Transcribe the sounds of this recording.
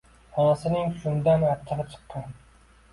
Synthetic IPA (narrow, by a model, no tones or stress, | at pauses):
ɒlsɪnɪŋʃʊnd̪anaɾt̪ʰɪɾɑt͡ʃʰɨ̥qːɑn